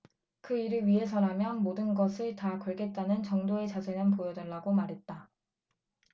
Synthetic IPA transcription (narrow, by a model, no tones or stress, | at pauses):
kɯiɾɯɭɥiɦe̞s̬ʰʌnɦamjʌnmodɯnɡʌsʰɯɭtakʌɭɡe̞t̚t͈anɯnt͡ɕʌŋdoe̞t͡ɕad͡ʑenɯnp̬ojʌdʌɭːaɡomaɾɦe̞t̚t͈a